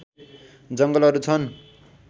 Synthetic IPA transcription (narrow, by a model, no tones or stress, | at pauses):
d͡zʌŋɡʌlʌɾut͡sʰʌn